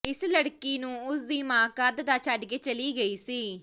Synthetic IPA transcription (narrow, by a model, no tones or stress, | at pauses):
ɪsləɽkiːnũːʊsd̪iːmãːkad̪d̪aːt͡ʃaɖɡeːt͡ʃəliːɡəiːsiː